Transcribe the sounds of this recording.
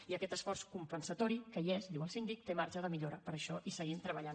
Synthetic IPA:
iəkɛt̪əsfɔrskumpənsət̪ɔɾikəiezd̪iwəlˠsind̪ik̚t̪emaɾʒəðəmiʎoɾəpəɾəʃɔʔisəɣint̪ɾəβəʎan

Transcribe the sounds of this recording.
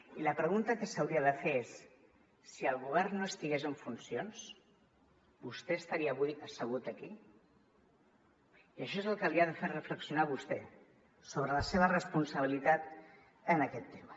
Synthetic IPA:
iləpɾəɣunt̪əkəsəwɾiəðəfeesː | iəlˠɣuβɛrnːoəst̪iɣezəɱfunsions | bust̪ɛəst̪ɐɾiəβuðikəsəɣ̞ut̪əki | iəʃ̬ɔezəlˠkəliaðəfeɾrəfləksiunaβust̪ɛ | soβɾələseβərəspunsəβ̞ilit̪at̪ | ənəkɛt̪ːemə

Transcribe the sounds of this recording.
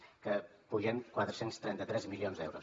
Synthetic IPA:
kə | puʒɛŋkwat̪ɾəsenst̪ɾɛnt̪ət̪ɾɛzmilionzd̪ɛwɾus

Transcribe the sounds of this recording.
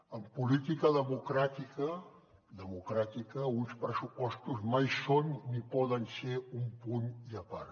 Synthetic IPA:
əmpulit̪ikəðəmukɾat̪ikə | d̪əmukɾat̪ikəunspɾəsupɔst̪uzmajsonːipɔðənseumpuɲiəpa̰ɾ

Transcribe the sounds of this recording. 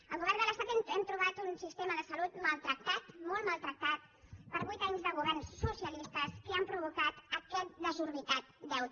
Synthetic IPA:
əlˠɣuβɛrnd̪ələst̪at̪ɛmɛmt̪ɾuβat̪unsist̪eməðəsəlut̪məlˠt̪ɾək̚t̪at̪mɔlˠmalˠt̪ɾək̚t̪at̪̚ | pəɾβujt̪aɲzðəɣuβɛrnsːusiəlist̪əskəampɾuβ̞ukat̪əkɛt̪̚d̪əzuɾβit̪at̪̚d̪ɛwt̪

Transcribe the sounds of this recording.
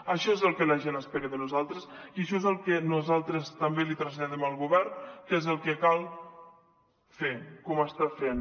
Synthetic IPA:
əʃɔezəlˠkələʒenəspeɾəðənuzalˠt̪ɾəsiəʃ̬ɔezəlˠkenuzalˠt̪ɾəst̪əmbelit̪ɾəzʎaðɛməlˠɣuβɛɾnkezəlˠkekalˠ | fekɔməst̪afen

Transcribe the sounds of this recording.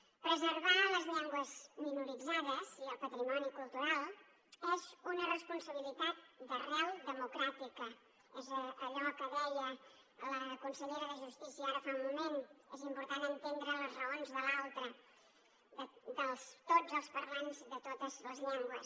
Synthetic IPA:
pɾəzəɾβaləzʎɛŋɡwəzminuɾid͡zaðəz̥iəlˠpət̪ɾimɔnikulˠt̪uɾalˠ | ezunərəspunsəβ̞ilit̪at̪̚d̪ərɛlˠd̪əmukɾat̪ikə | ezəːʎɔkəðɛjə | ləkunsəʎeɾəðəʒust̪isiəaɾəfaumumenezimpuɾt̪anənt̪end̪ɾələzrəonzðəlalˠt̪ɾə | ðəd̪əlˠst̪od͡zəlˠspəɾlanzðət̪ot̪əzləzʎɛŋɡwəs

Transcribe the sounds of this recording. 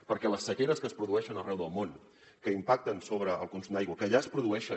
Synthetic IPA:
pəɾkɛləsːəkeɾəskəspɾuðuɛʃənərɛwðəlˠmon | kəimpak̚t̪ənsoβɾəːlˠkunsumd̪ajɣwəkəːʎaəspɾuðuɛʃə

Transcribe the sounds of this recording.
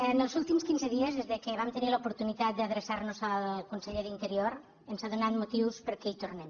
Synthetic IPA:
ənəlˠzulˠt̪imskinzəðiəzðezðəkəβamt̪ənilupuɾt̪unit̪at̪̚d̪əðɾəsaɾnuzəlˠkunsəʎeðint̪əɾioɾ | ənsaðunat̪mut̪iwspəɾkɛit̪urnɛm

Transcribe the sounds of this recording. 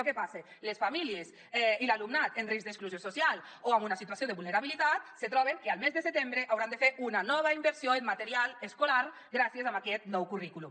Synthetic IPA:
kepase | lesfamiliez | ɛilalumnat̪enrizd̪eskluzjososjal | oamunasit̪uasjoðeβulneɾaβ̞ilit̪at̪̚set̪ɾɔβ̞eŋkealmezðeset̪embɾeʔawɾand̪efeɾʔunanɔβ̞aimbeɾsjoemmat̪eɾialeskolaɾ | ɡɾasiezamakɛt̪nɔwkurikulu

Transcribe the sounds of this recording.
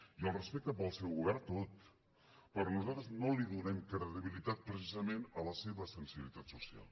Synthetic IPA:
iəlˠrəspɛk̚t̪əpəlˠsɛwɣuβɛɾt̪ot̪ | pəɾnuzalˠt̪ɾəznoliðunɛmkɾəðiβilit̪at̪̚pɾəsizəmenələseβəsənsiβilit̪at̪susia̰lˠ

